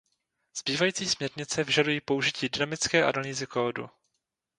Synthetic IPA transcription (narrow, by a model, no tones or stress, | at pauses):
z̥biːvajiːt͡siːsmɲɛɾɲɪt͡sɛvɪʒadujiːpo̞uʒɪciːdɪnamɪt͡skɛːʔa̰daɲiːzɪkoːdṵ